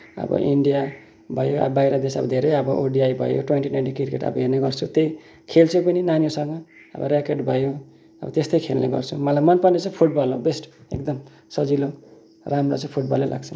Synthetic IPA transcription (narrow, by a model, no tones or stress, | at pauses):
ʌ̰bʌ̰ʔiɳɖija | bʱʌjoa̰bajɾʌd̪esʌ̰bʌd̪ʱeɾʌjʌbʌʔoɖiajbʱʌ̰jo̰ʈwenʈinajnʈikirkeʈʌ̰bʌɦerneɡʌrt͡sʰut̪ej | kʰelt͡sʰupʌninanijosʌŋɡʌʌ̰bʌ̰ɾekeɖbʱʌjo | ʌ̰bʌ̰t̪est̪ʌjkʰelnḛɡʌ̰rt͡sʰumʌlajmʌnpanet͡sʌ̃pʰuʈ̚bʌlobesʈḛkd̪ʌm | sʌd͡zilo | ramrot͡sʌ̃ĩpʰuʈ̚bʌlːela̰ɡt͡sʰʌ